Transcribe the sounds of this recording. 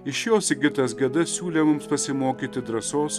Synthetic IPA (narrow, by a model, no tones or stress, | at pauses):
ɪʃjoːsɪɡʲɪt̪ɐsɡʲɛd̪ɐsʲuːlʲeːmʊmspɐsʲɪmoːkʲiːt̪ʲɪd̪ɾɐsoːs